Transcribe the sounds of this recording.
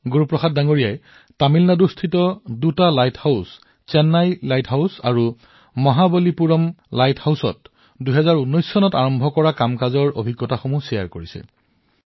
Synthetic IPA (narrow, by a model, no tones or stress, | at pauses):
ɡuɹupɹɔxat̚daŋoɹijaj | tamilnadustʰitɔdutalajthaʊs | t͡ʃɛnːajlajtɦaʊsa̰ɹu | mɔɦabolipuɹɔmlajthawsɔ̰t̚ | duɦɛzaɹunːɔjsːɔnɔtaɹɔmbʱɔkɔɹakamkazɔɹo̰bʱiɡːɔtaxomusijaɹkoɹisɛ̰